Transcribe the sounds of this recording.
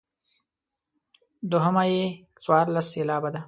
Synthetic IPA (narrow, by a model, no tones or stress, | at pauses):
d̪ʊɦəmaje | t͡swɑɾlaselɑːbad̪a